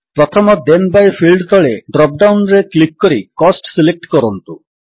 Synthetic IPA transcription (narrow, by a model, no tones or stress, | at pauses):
pɾɔt̪ʰɔmɔd̪enbajpʰilɖt̪ɔɭeɖɾɔp̚ɖawnɾeklik̚ːɔɾikɔsʈsilek̚ʈkɔɾɔnt̪u